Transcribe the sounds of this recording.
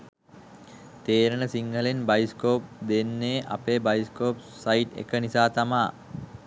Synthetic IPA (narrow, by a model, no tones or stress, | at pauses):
t̪eːɾənəsiŋɡəlenbajskoːp̚d̪enːeːʔa̰peːbajiskoːp | sajʈḛkənisaːt̪amaː